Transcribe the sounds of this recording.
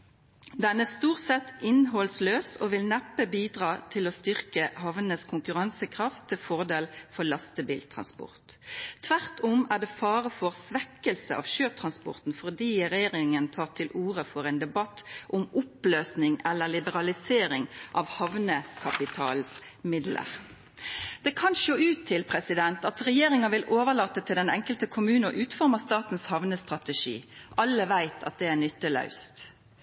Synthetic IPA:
d̪ɛnæst̪uːʁt̪sɛt̪ːɪnɦɔlsløːsoːʋɪlnɛpːəbiːd̪ʁɑːt̪ʰɪloːst̪ʏʁkəhɑʋnəskʰʊŋkʉʁɑnsəkʰʁɑft̪ʰːɪlfɔʁd̪eːlfɔlɑst̪əbiːlt̪ʰʁɑ̰nspʊ̰ʁt̪t̪ʰʋæʁt̪ɔmæːɖ̪ɛːfɑːʁəfɔʁsʋɛkːəlsə̰ʔɑ̰ʋʃøːt̪ʰʁɑnspʊ̰ʁt̪n̩fɔʁd̪iːʁɛjeːʁɪŋənt̪ʰɑːʁt̪ʰɪlʔuːʁəfɔʁɛːnd̪ɛbɑt̪ːʔʊmʊpløːsnɪŋɛlːəlɪbəʁɑlɪseːɾɪŋʔɑʋhɑʋnəkʰɑpɪt̪ʰɑ̰ːls | mɪd̪lə̰ʁ | d̪̥ɛkʰɑnʃoːʉːt̪ʰːɪlpʰʁɛsɪd̪ɛnt̪ɑt̪ʁɛjeːʁɪŋɑʋɪlʔoːʋəʁɭɑːt̪ːət̪ʰɪld̪ɛnɛŋkəlt̪əkʰʊmʉːnəʔʉːt̪fɔʁmɑst̪ɑːt̪ən̩shɑʋnəst̪ʁɑt̪ɛʂḭːʔɑlːəʋæɪt̪ʰɑ̰t̪̚d̪ɛænʏt̪ːəlɑ̰ʉst̪

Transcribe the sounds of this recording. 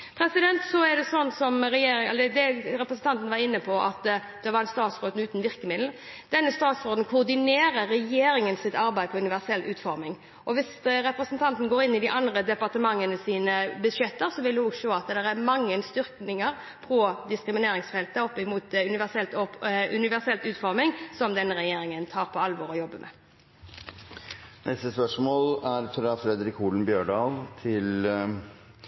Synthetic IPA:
pʰɾɛsɪd̪ɛnt̪sɔæɾɖ̪ɛsɔnːsɔmɾɛjeːɾɪɛld̪ɛɾɛpɾəsn̩t̪ʰɑnt̪ən̩ʋɑɾɪnːəpʰɔʔɑt̪d̪̥ɛʋɑɾɛnst̪ɑːt̪sɾoːd̪n̩ʉːt̪nʋɪʁkəmɪd̪l̩d̪̥ɛnːəst̪ɑːt̪sɾoːd̪ən̩kʰʊɾd̪ɪneːɾəɾːɛjeːɾɪŋənsɪt̪ɑɾbæɪd̪əpʰɔʉnɪʋæʁsɛlːʔʉːt̪fɔɾmɪŋ | ʔɔʋɪsɾɛpɾəsnt̪ʰɑnt̪n̩ɡoːɾɪnːɪd̪ɪʔɑnd̪ɾəd̪ɛpɑʁt̪əmɑŋːənəsiːnəbəʂjɛt̪ːəɾsɔʋɪld̪ɛhɔɡʂoːɑt̪d̪ɛʁæɾmɑŋːənst̪ʏɾtnɪŋəɾ | pʰɾɔd̪ɪskɾɪmɪneːɾɪŋsfɛlt̪əɔpːɪmuːt̪ʉnɪʋæʁsɛlt̪ɔʉnɪʋæʁsɛlt̪ʉːt̪fɔɾmɪŋsɔmd̪ɛnːəɾɛjeːɾɪŋənt̪ʰɑːɾpʰɔɑlʋɔɾɔjɔbːəmʔɛ̰ | nɛst̪əspœʂmoːlæɾfɾɑfɾɛd̪ɾɪkuːlnbjøːɖɑːlt̪ʰɪl

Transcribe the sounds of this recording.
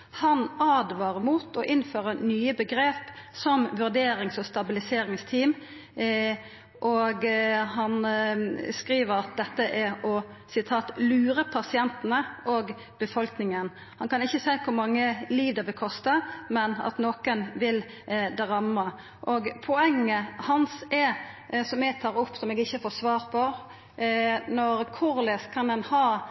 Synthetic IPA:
hɑnɑːd̪ʋɑːʁəmuːt̪ɔʔɪnføːʁənyːəbəɡɾeːpsɔmʋʉʁd̪eːɾɪŋsɔst̪ɑbɪlɪseːɾɪŋst̪ʰiːm | ʔɔɡhɑn | skɾiːʋəɾɑt̪̚d̪ɛt̪ːəʔæɔ | sɪt̪ʰɑːt̪lʉːɾəpʰɑsɪɛnt̪ənəʔoːɡ | b̥əfɔlknɪŋən | hɑnkɑnɪçːəsæɪkʰʊɾmɑŋːəliːʋd̪əbɛkʰɔst̪ɑmɛnɑ̰t̪noːkənʋɪl | d̪ɾɑmɑ | ʔɔɡpʰɔɛŋːəhɑnsɛ | sɔmɛːɡ̚t̪ʰɑːɾʊpːsɔmɛːɡɪçːəfoːsʋɑːɾpʰɔ | nɔɾkʰʊɾlɛskʰɑnɛnhɑː

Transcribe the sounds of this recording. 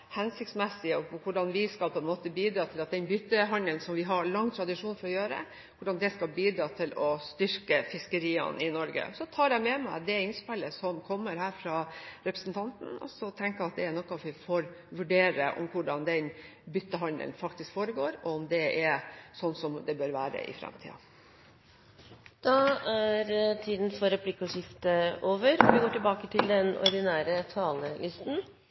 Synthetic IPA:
hɛnsɪkt̪smɛsːɪɔkʊɖɑnʋɪskɑlpʰɔɛnmoːt̪əbiːd̪ɾɑːt̪ʰɪlɑt̪̚d̪ɛnbʏt̪ːəɦɑnəlnsɔmʋɪɦɑɾɭɑŋːt̪ʰɾɑd̪ɪʂuːnfɔɾɔjøːɾə̰ | kʊɖɑnd̪ɛskɑlbiːd̪ɾɑːt̪ʰɪlɔst̪ʏɾkəfɪskəɾiːɑ̰nɪnɔɾɡə̰sɔt̪ʰɑːɾjæɪmɛmæɪd̪ɛɪnspɛlːəsɔmkʰɔmːəɾɦæːɾfɾɑɾɛpɾəsn̩t̪ʰɑnt̪n̩ɔ̰sɔt̪ʰɛŋkəɑt̪̚d̪ɛæɾnɔkːɑʋʋɪfoːɾ | ʋʉɖeːɾə̰ʔɔ̰mkʰʊɖɑnd̪ɛnbʏt̪ːəɦɑnd̪ə̰lnfɑkt̪ɪskfoːɾəɡoːɾɔɔmd̪ɛɛsɔnːsɔmd̪ɛbøɾʋæːɾə̰ʔɪ̰fɾɛ̰mt̪ʰḭːɑ̰ | d̪̥ɑæɾt̪ʰiːd̪n̩fɔɾɛpʰlɪkːɔʂɪft̪əoːʋəɾɔʋɪɡoːʈɪlbɑːkət̪ʰɪld̪ɛnɔ̰ɾd̪ɪnæːɾət̪ʰɑːləlʔɪst̪n̩

